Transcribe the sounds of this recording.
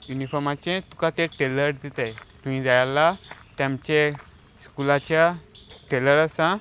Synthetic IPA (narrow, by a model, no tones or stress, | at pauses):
junifɔɾmat͡ɕẽt̪u̥kãt̪ẽʈeləɾd̪it̪ajt̪ũm̤ĩd͡zajalat̪jãmt͡ɕe | skulat͡ɕja | ʈeləɾasã